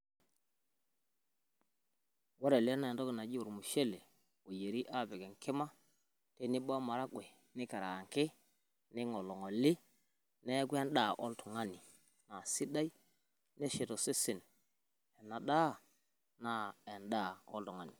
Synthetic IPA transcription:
wo˦ɾe˨lna˨ndo˦ke˨na˨d͡ʒi˦wu˨ɾmu˨ʃe˦le˨ | o˨je˨ɾi˦ʔa˦˨be˨ɡe˨nke˦ma˦ | te˦ni˦ɓa˦ma˨ɾa˦ɡʷwe˨ | ni˦ka˨ɾa˨ŋke˦ | ni˦ŋo˨lo˨ŋo˨li˦ | ne˦ɡʷi˦a˦nɗa˦˨ʔo˦ltu˨ŋa˦ni˨ | na˨si˦ɗa˦i˦ | ne˦ʃe˨to˨se˦si˨n | e˨na˨ɗa˦ | na˦e˨nda˦˨o̰˦ltu˨ŋa˦ni˨

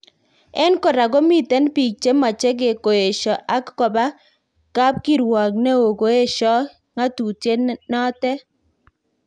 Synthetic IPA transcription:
ɛ˦nkɔ˨ɾa˨ɡɔ˦mi˨tɛ˦npi˨k̚t͡ʃe˦ma˨t͡ʃe˦ɡe˨ko˨e˨ʃɔ˨ʔa˦kːɔ˨ba˦ | ka˦p̚ki˦ɾwa˨knɛ˦o˨ɡo˨˦e˦ʃɔ˦ | ŋa˦tu˨te˦nnɔ˦tɛ˦

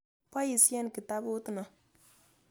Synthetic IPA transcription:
pa˦ji˨si˦ɛ˦n˨ki˨ta˦bʊ˦tɨ˨na˨

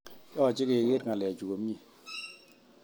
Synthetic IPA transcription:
jɔ˦a˨t͡ʃi˦ke˨ɣe˦t̚ŋa˨lɛ˨t͡ʃu˨ko˨˦mi˦˨

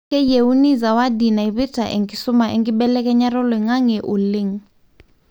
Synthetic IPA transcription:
ɛ˦je˨u˦ni˦za˨wa˦di˨na˨iβi˦tʰa˨ʔḛ˨ŋɡisʊ˦ma˨ʔḛ˦˨ŋɡi˦ɓɛlɛ˦k̬ʼɛ˦ɲa˦rɔ˦lwɛ˨ŋa˦ŋɛ˨ʔu˨le˦ŋ̩

